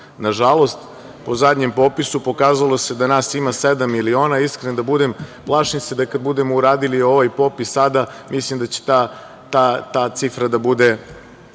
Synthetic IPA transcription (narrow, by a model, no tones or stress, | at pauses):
naʒalˠo̞st̪ | po̞zad̪ʲɲempo̞pisupo̞kaːzalˠo̞se̞d̪anaːsimase̞d̪amilio̞ːnaiskɾenod̪abud̪emplˠaʃnit̪sed̪akad̪bud̪e̞mouɾaːd̪ilio̞ʋajpo̞ːpisːad̪amislimd̪at͡ɕe̥t̪a | t̪at̪aːt̪sifɾad̪abud̪e̞